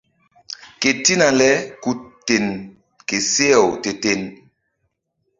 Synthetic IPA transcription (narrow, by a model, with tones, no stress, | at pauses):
ke˨ti˦na˨lɛ˦ku˨tːe˨n | ke˨se˦ɛ˨wte˨te˨n